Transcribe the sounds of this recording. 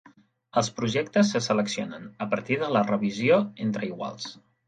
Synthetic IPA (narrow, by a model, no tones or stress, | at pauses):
əlˠspɾuʒɛkt̪əsːəsələksionənəpəɾt̪iðələrəβ̞izioent̪ɾəiɣwa̰lˠs